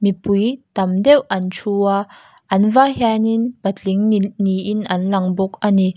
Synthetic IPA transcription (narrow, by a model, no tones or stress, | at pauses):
mipujt̪ɐmdɛwʔɐnt͡ʃʰua | ʔɐnvaɦɛninpɐtlɪŋniinʔɐnlɐŋbɔk̚ani